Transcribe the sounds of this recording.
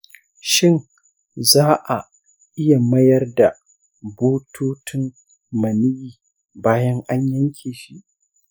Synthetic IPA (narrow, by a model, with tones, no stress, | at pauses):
ʃɪ˦ŋ | zaː˦ʔa˨ | ʔɪ˦ja˨mɐ˦jɐ˦rda˨ | boː˦tʰoː˦tʰɪ˦ŋ | mɐ˨nɪ˦jiː˨ | baː˦jɐ˦ŋʔa˦ɲjɐ˦ŋkʲʰeː˨ʃi˦ʔ